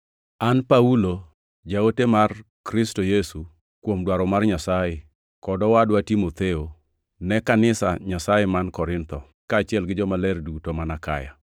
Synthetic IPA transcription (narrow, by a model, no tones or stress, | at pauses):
anpaulo | d͡ʒaotemar | kɾɪstojesu | kwomdwaɾɔmarɲasaje | kɔdɔwadwatimot̪eo | nɛkanɪsa̰ɲasajemankɔɾɪnt̪ɔ | kaːt͡ʃɪɛlɡɪd͡ʒɔmalɛrdutomanaka̰ja̰